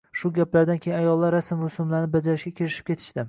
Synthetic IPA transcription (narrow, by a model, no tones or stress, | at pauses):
ʃʊɡʲaplaɾd̪ankʲʰejɪajɒlˠːaɾːasɪmʊsɪmlaɾnɪbad͡ʒaɾɪʃɡʲakʲʰeɾɪʃɪ̥p̚kʲe̞t̪ʰɪ̥ʃtd̪ɪ